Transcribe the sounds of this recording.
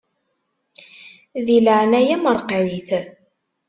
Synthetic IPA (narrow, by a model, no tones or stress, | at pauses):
ðiləʕnæjæməɾˤqwiθ